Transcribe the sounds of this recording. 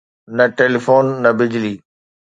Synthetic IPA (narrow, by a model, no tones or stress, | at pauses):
nɐʈeːlifoːnːɐbɪd͡ʑliː